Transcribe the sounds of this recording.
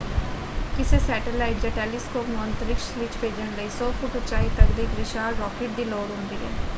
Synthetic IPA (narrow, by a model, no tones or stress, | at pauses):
kɪseːsɛːʈəlaːɪʈ̚d͡ʒɛʈɛːlɪskoːkmoə̃nt̪əɾɪkʃʋɪt͡ʃbʰeːd͡ʒəɳləiːsoːpʰokʊt͡ʃaːit̪əkd̪ikɾɪʃaːɾɔːkɪʈ̚d̪iːloːɽɦʊ̃nd̪iːɦɛ̰ː